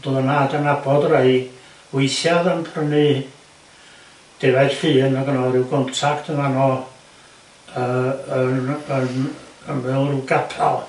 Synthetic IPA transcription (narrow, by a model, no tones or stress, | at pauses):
d̥uðənadanabɔdɾejɡ | wɪjθjaðənpʰrəni | d̥ɪvɛr̥fiːnɔɡənɔɾɪwɡɔntʰaktʰəmanɔ | əənənənvɪlˠrɡapʰalˠ